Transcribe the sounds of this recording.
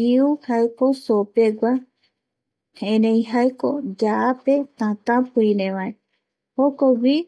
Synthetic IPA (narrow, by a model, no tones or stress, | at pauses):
iuhaekosopeɡʷa | hẽɾẽj̃ɦaekod͡ʒaʔapet̪ãt̪ãpɨĩɾẽʋae | hokowi